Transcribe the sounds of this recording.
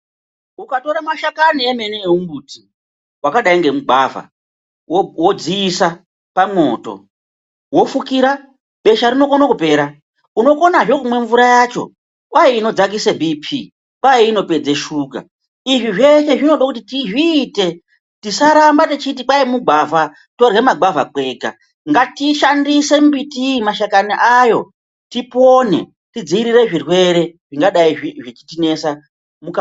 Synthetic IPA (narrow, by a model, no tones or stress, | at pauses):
ukato̞ɾamaʃakanieme̞neeumbuːti | wakaɗaiŋɡe̞muɡʱava̰ | wod͡ziːsa | pamo̞to̰ | wo̞fukiɾa | ɓe̞ʃaɾino̞konakupe̞ːɾa | uno̞ko̞naʐo̞kumwe̞ɱvuɾajat͡ʃo̞̰ | wʔaeino̞d͡zak̬isebʱipʰi | pwaeino̞pe̞d͡ze̞ʃuka̰ | iʐiʐe̞ʃe̞ʐino̞ɗakut̬itiʐiːte̞ | tisaɾambatit͡ʃit̬ipwaimuɡʱava | to̞rɣemaɡavakwe̞ɡa̰ | ŋɡatiʃandisembitimaʃakaniʔajo̞ | tipo̞ne̞̰ | tid͡ziiɾire̞ʐirwe̞ɾe̞ʐiŋɡaɗaiiʐet͡ʃi̥tine̞sa | muka